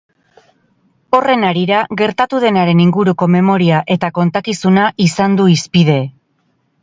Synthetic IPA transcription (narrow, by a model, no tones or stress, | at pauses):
o̞re̞naɾiɾaɣe̞ɾt̪at̪uð̞e̞naɾe̞niŋɡuɾuko̞me̞mo̞ɾiaʔe̞t̪ako̞nt̪akisunaʔisand̪uispið̞e̞